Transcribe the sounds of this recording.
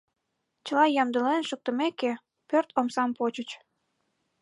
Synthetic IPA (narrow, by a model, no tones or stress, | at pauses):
t͡ɕəlɑjɑmd̪əlenʃək̚t̪əmeke | pørt̪ʰomsɑmpot͡ɕət͡ɕ